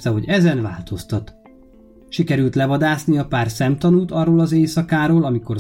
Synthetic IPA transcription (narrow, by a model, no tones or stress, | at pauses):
t̪ɛɦo̞ɟɛzɛnva̰ːlt̪ʰo̞st̪ɒt̪ | ʃikɛɾylt̪lɛvɒd̪aːsniɒpaːrsɛmt̪ɒnuːt̪ɒrːoːlɒzeːsɒkaːɾoːlɒmiko̞r